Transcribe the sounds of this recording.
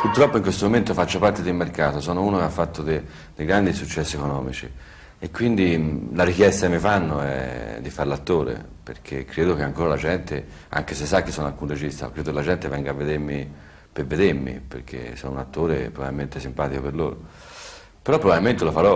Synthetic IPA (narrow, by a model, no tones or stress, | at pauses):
purt̪ɾɔpːoiŋkwest̪omoment̪ofat͡ʃːopart̪ed̪ilmerkaːt̪osɔːnouːnokeafːat̪ːod̪e | d̪ejɡɾand̪isut͡ʃːɛsːiɛkonɔːmḭt͡ʃḭ | ekːwind̪ilaɾikjɛst̪akemːifanːoɛ̰d̪ifaɾlat̪ːoːɾḛ | pḛrkʰekːɾeːd̪okeaŋkoːɾalad͡ʒɛnt̪e | a̰ŋkesesːakːesːɔːna̰lkunred͡ʒist̪a̰ɔ̰kːɾeːd̪okelad͡ʒɛnt̪evɛŋɡavːed̪eɾmi | peved̪eɾmḭpḛɾk̟ʰḛsɔ̰nounat̪ːoːɾḛpɾovavilment̪ɪsimpaːt̪ikopeɾlo̰ːɾo | peɾɔpːɾovavilment̪elofaɾɔ